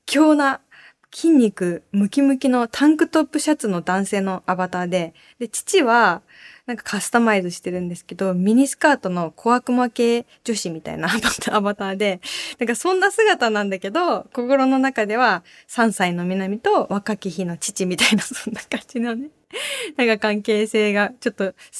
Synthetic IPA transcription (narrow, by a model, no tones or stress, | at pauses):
kʲʰo̞ːna | kʲʰĩɲ̟ʲːikɯ̟mɯ̟kʲimɯ̟kʲino̞t̪ʰãŋkɯ̟t̪o̞pːɯ̟ɕat͡sɨno̞d̪ãɰ̃se̞ːno̞ʔabat̪aːd̪e̞ | d̪e̞t͡ɕi̥t͡ɕiβa | nãŋkḁkʰasɨ̥t̪amaidɨɕi̥t̪e̞ɾɯ̟̃nd̪e̞sɨ̥ke̞d̪o̞mʲiɲ̟isɨ̥kaːt̪o̞no̞kʰo̞akɯ̟make̞ː | d͡ʑo̞ɕimʲit̪a̰ḭnaːbat̪aːbat̪aːd̪e̞nãŋkasõ̞nːasɨɡat̪anãnd̪ake̞d̪o̞ko̞ko̞ɾo̞no̞nakad̪e̞βa | sãɰ̃saino̞mʲinamʲit̪o̞βakakʲiçino̞t͡ɕi̥t͡ɕimʲit̪ainasõnːakãnd͡ʑinone̞ | nãŋkakãŋke̞ːse̞ːɡat͡ɕo̞t̪ːo̞